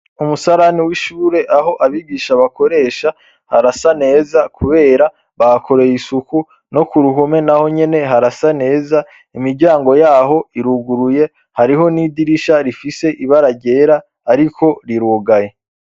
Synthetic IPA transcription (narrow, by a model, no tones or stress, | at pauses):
umusaɾaniwiʃuːɾe̞ʔaɦo̞ʔaβiɡiːʃaβako̞ɾe̞ʃa | haɾasane̞ːzakʰuβe̞ːɾa | βakʰo̞ɾe̞jisuku | no̞kuɾuɦume̞naho̞ɲe̞ne̞ɦaɾasane̞ːza | imiɾɟaːŋɡo̞jaːɦo̞iɾuɡuɾuje̞ | haɾiɦo̞nidiɾiʃaɾifise̞ʔiβaɾaɟe̞ːɾaː | ɾikʰo̞ɾiɾuːɡaje